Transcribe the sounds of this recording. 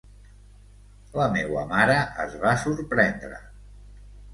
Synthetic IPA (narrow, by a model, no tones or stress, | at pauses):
ləmewə̰maɾəəzβasuɾpɾɛnd̪ɾə̰